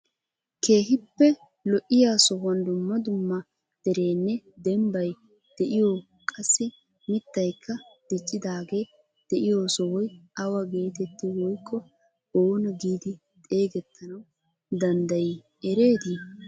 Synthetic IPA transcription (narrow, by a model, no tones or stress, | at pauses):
kʰe̞ːɦɪpːɛ | lɔʔɪjaːsɔhɐnd̪ʊmːɐd̪ʊmːɐ | d̪̥ɛɾe̞ːnːɛd̪ɛmbɐj | d̪̥ɛʔɪjo | kʼɐsːɪ | mɪt̪ːɐjkʰːɐd̪̥ɪt͡ʃʼːɪd̪aːɡe̞ː | d̪̥ɛʔɪjoːsɔwɔjʔɐwɐɡe̞ːt̪ɛt̪ːɪwɔjkʰːɔ | oːnɐɡiːd̪ɪ | t̪ʼe̞ːɡɛt̪ʰːɐnɐw | d̪ɐnd̪ɐj | ɛɾe̞ːd̪i